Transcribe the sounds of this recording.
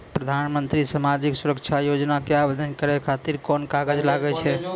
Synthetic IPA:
pɾəd̪ʱanmənt̪ɾisamad͡ʒiksuɾəkt͡ʃʰajod͡ʒnakeabed̪ʱənkəɾɛkʰat̪iɾkɔnkaɡəd͡ʒlaɡɛt͡ʃʰɛ

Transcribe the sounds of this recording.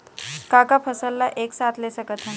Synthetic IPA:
kakapʰəsəlːaʔeksat̪lesəkət̪ʰə

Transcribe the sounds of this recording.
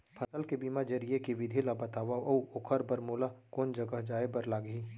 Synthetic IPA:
pʰɐsəlkebiːmad͡ʒɐɾijekiʋɪd̪ʱilabɐt̪aːʋaʔɐuʊkʰəɾbɐɾmoːlakoːnd͡ʒɐɡəɦd͡ʒaːebɐɾlaːɡɐɦiː

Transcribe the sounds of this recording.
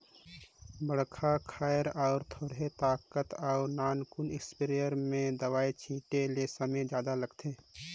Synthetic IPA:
bəɽkʰakʰaːjəɾaʊɾt̪ʰoːɽɦet̪aːkət̪aʊɾnaːnkʊnɪkspiɾijəɾmẽd̪əwaːit͡ʃʰĩːʈelesəmed͡ʒjaːd̪aləɡt̪ʰeː

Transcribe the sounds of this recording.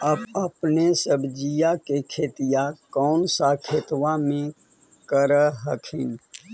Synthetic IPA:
əbəpnesəbd͡ʒijakekʰeːt̪ijakɔːnsakʰeːt̪wamẽ | kəɾəɦəkʰin

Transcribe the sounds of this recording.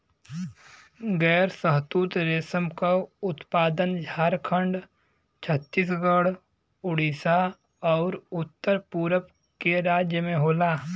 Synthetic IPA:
ɡɛːɾsəɦt̪uːt̪ɾeːsəmkaʊt̪paːd̪ənd͡ʒʱaːɾkʰə̃ɳɖ | t͡ʃʰət̪ːiːs̬ɡəɽ | ʊɽiːsa | ɔːɾʊt̪ːəɾpuːɾəp | keɾaːd͡ʒjəmẽɦoːlaː

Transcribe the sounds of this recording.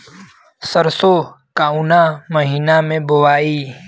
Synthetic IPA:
səɾsoː | kaːuːnaːməɦiːnamẽːbʊʋaːiː

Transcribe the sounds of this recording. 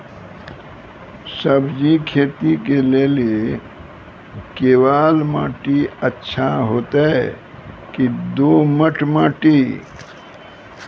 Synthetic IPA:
səbd͡ʒikʰeːt̪ikeleːle | keːwaːlmaːʈiətːʃʰaɦoːt̪aɛ | kid̪oːməʈʰmaːʈi

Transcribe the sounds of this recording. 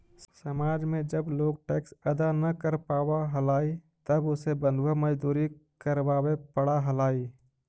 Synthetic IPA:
səmaːd͡ʒmẽd͡ʒəbloːɡ̚ʈeːksɐd̪anɐkəɾpaːwaɦəlaːi | t̪əbʊsebə̃nd̪wəməd͡ʒd̪uːɾikəɾwaːwepəɽaɦəlaːiː

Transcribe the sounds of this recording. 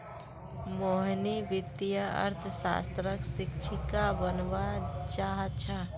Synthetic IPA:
moɦnibɪt̪jəə̰ɾt̪ʰəsa̰ːst̪ɾəksɪkt͡ʃʰɪkabənʋat͡ʃaːɦət̪̚t͡ʃʰa

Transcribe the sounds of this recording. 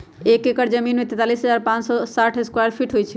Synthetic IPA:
ekekəɾd͡ʒəminmet̪ɛt̪alisɦəd͡ʒaɾpãt͡ʃsɔsaʈʰeskwaɾpʰiʈɦojt͡ʃʰɛ

